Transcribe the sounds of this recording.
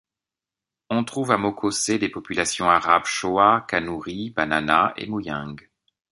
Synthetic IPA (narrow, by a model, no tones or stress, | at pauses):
ɔ̃t̪χuvamokʰosed̪epɔpylasjɔ̃aʁabʃoakanuʁibananaḛmujɛ̃ɡ